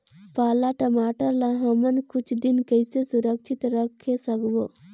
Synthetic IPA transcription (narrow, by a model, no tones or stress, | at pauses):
paːlaʈəmaːʈəɾlaɦəmənkʊt͡ʃʰd̪ɪnkəɪsesʊɾəkʃɪt̪ɾəkʰːesəkboː